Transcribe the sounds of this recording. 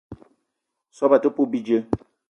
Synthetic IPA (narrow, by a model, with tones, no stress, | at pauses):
sɔ˦ba˨tə˦po˦bi˦d͡ʒə˦